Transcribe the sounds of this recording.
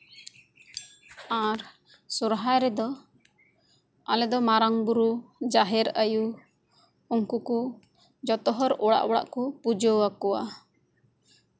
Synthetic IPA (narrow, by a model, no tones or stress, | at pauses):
aɾ | suɾɦajɾɛd̪ɔ | a̰lɛd̪ɔmaɾaŋbuɾud͡ʒaɦɛɾaju | uŋkuku | d͡ʒɔt̪ɔɦɔɾɔɽa̰ʔbɔɽa̰ʔkupud͡ʒɔwakɔwa̰